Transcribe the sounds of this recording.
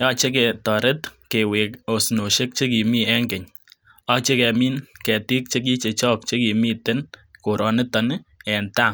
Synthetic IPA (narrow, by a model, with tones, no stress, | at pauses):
jɔ˦t͡ʃe˦k̬e˨tɔ˨ɾɪ˦t̪ke˨we˨ko˨sno˨ʃe˦k̚t͡ʃe˦ki˨mi˦ɛ˦ŋɡɪ˨ɲ | ɔ˦t͡ʃe˦kɛ˨mi˦nkɛ˨ti˦k̚t͡ʃe˦k̬i˦t͡ʃe˨t͡ʃɔ˦k̚t͡ʃe˦ki˨mi˦tɪ˦nko˨ɾɔ˨nɪ˦tɔ˨nɪ˦ɛ˨nta˦˨